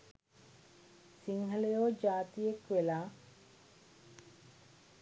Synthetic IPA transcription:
siŋɦəlejoːd͡ʒaːt̪ijekʋelaː

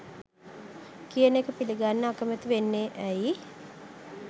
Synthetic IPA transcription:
kijənekəpiliɡanːəakəmət̪iʋenːeʔæi

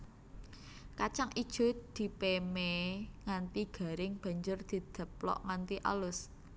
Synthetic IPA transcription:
kat͡ʃaŋid̥ʒ̥ʊ̤t̪̚d̪̥i̤pemeŋant̪iɡ̥a̤ɾɪŋb̥a̤ɲd͡ʒʊrd̪̥i̤d̪̥ə̤p̚lɔ̰ʔŋant̪iʔa̰lʊs

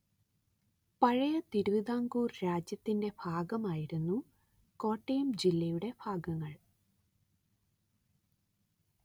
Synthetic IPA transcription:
pɐɻɐjɐt̪iɾuʋiðaːŋɡuːrɾaːd͡ʑjɐt̪ːinde̞b̥ʱaːɡɐmaːjiɾunːu | ko̞ːʈːejumd͡ʑilːɐjuɽe̞b̥ʱʰaːɡɐŋːɐɭ

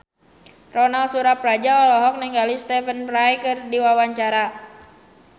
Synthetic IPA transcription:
rɔnalsuɾapɾad͡ʒaɔlɔɦɔk̚niŋɡalist̪ɛfənpɾajkərdiwawaɲt͡ʃaɾa

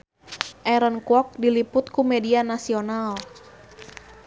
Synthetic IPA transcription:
ʔɛɾənkuɔk̚dilipʊt̪kumɛdianasional

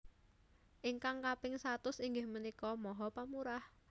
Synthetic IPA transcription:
ʔiŋkaŋkapɪŋsat̪ʊsiŋɡɪhmənikɔmɔɦɔpamuɾah

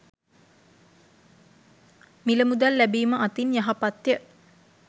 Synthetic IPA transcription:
miləmud̪alːæbiːməʔat̪injaɦapat̪jə

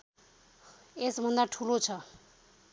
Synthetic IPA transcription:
esbʱʌnd̪aʈʰulot͡sʰʌ

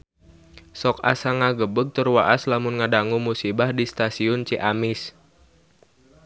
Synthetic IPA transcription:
sɔk̚a̰saŋaɡəbəɡ̚t̪ərwaʔaslamʊnŋadaŋumusibahdist̪asiʊnt͡ʃiʔamɪs

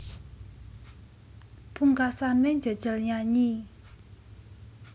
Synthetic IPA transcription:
puŋkasaneɲd͡ʒə̤d̥ʒ̥ə̤lɲaɲi

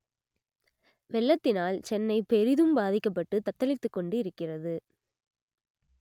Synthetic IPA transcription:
ʋɛɭːɐt̪ːɪnaːlt͡ʃɛnːɐɪpɛɾɪðɯmbaːðɪkːɐpːɐʈːɯt̪ɐt̪ːɐlɪt̪ːɯkːɔɳɖɯɪɾɯkːɪrɐðɯ

